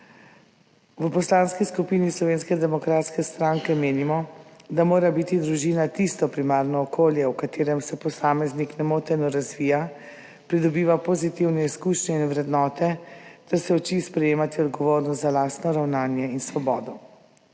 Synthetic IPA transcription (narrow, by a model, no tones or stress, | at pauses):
ʋəpɔslaːnskiskupiːnislɔʋeːnskɛd̪ɛmɔkɾaːt̪skɛst̪ɾaŋkɛmeːnimɔd̪amoːɾabit̪id̪ɾuʒiːnat̪ist̪ɔpɾimaːɾnɔːkʰoːljɛwkat̪eːɾɛmsɛpɔsaːmɛzniknɛmoːt̪ɛnɔɾazʋiːja | pɾid̪ɔbiːʋapɔzit̪iwnɛiskuːʃɲɛinʋɾɛd̪nɔːt̪ɛt̪ɛɾsɛɔt͡ʃispɾɛjeːmat̪iɔd̪ɡɔʋoːɾnɔst̪zalaːst̪nɔɾawnaːnjɛinsʋɔbɔːd̪ɔ